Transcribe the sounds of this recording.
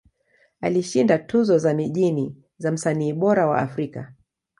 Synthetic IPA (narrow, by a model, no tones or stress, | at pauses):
a̰liʃindatuzɔzamiʄini | zam̩saniːɓɔɾawa̰afɾika̰